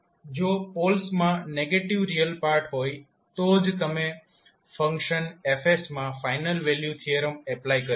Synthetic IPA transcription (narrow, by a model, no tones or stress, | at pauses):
d͡ʒopolsmãneɡeʈiʋɾiəlpaɾʈɦoj | t̪od͡ʒt̪əme | fəŋkʃənefesmãfainəlʋeljut̪ʰieɾəmɛplajkəɾ